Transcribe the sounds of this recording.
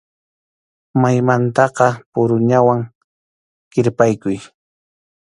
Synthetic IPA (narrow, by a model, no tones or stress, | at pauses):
majmant̪ɑqɑpʊɾʊɲawaŋ | ɢɪɾpajkʊj